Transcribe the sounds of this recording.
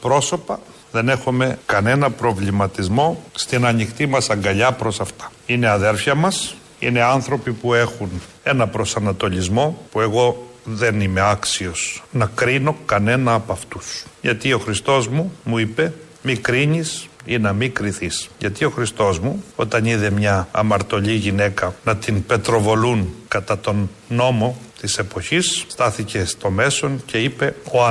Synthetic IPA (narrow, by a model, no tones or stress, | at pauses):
pɾo̞so̞pɐ | ðe̞ne̞xome̞kɐne̞nɐpɾo̞vlimɐt̪izmo̞st̪inɐɲixt̪imɐsɐŋɡɐʎɐpɾo̞sɐft̪ɐ̥ine̞ɐðe̞ɾfçɐmɐs | ḭne̞ɐnθɾo̞pipue̞xun | e̞nɐpɾo̞sɐnɐt̪o̞ʎizmo̞pue̞ɣo̞ðe̞nime̞ɐksio̞snɐkɾino̞kɐne̞nɐːpɐft̪usʝɐt̪io̞xɾist̪o̞zmumuipe̞ | mikɾiɲisinɐmikɾiθisʝɐ̰t̪io̞xɾist̪o̞zmuo̞t̪ɐniðe̞mɲɐːmɐɾt̪o̞ʎiʝine̞kɐnɐt̪inpe̞t̪ɾo̞vo̞lunkɐt̪ɐt̪o̞nː | o̞mo̞t̪ise̞po̞çisːt̪ɐθice̞st̪o̞me̞so̞ncʰe̞ipe̞oɐ